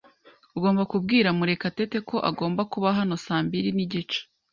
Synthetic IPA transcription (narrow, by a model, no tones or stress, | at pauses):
uɡo̞ːmbakub̚ɡiːɾamuɾe̞kate̞te̞kʰo̞ʔaɡo̞ːmbakuβaɦano̞saːmbiɾiniɟit͡ʃḁ